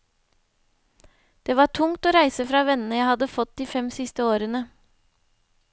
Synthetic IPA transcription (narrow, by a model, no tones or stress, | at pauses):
d̪̥eːʋɑːʈʰʊŋt̪oːɾæɪsəfɾɑːʋɛnən̩əjæɪhɑd̪əfɔt̪̚d̪iːfɛmsɪst̪əoːɾənə